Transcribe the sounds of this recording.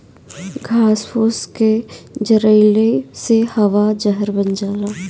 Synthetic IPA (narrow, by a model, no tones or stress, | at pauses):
ɡʱaːspoːsked͡ʒəɾəɪlesehɐʋad͡ʒɐɦəɾbɐnd͡ʒaːlaː